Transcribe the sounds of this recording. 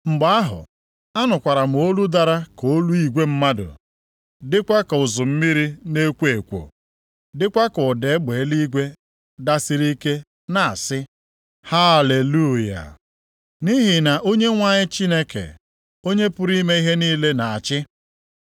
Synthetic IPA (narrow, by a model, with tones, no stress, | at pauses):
ŋ͡m̩˨ɡ͡ba˦a˦ɦʊ̰˨ | a˦nʊ˨kʷa˨ɾa˨m̩˨o˦lu˦da˨ɾa˦ko˨˦lu˦i˨ɡʷe˦m̩˦ma˦dʊ̰˨ | dɪ˦kʷa˦kʊ˨zʊ˨m̩˦mi˦ɾi˦ne˦kʷe˨kʷo̰˨ | dɪ˦kʷa˦kʊ˨de˨˦ɡ͡be˨˦li˦ɡʷe˦ | da˦sɪ˦ɾi˦ke˦ | na˨a˨sɪ˦ | ha˦˨le˨lu˦˨ja̰˨ | ni˦ɦɪ˨na˨ʔo˦ɲe˦ŋʷa˨ɲɪ˦t͡ʃi˦ne˦kḛ˨ | o˦ɲe˦pʊ˦ɾi˦me˦i˦ɦe˦niː˦le˦na˨a˨t͡ʃɪ˦